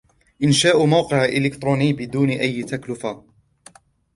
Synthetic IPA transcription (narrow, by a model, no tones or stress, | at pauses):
ʔɪnʃaːʔʊmawqɪʕʔɪlɪkt̪ɾˤuːnijːbɪd̪uːnʔajːt̪aklʊfa